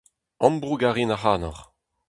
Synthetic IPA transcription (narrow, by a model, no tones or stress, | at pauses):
ɔ̃mbʁuɡaʁinaχaːnɔʁ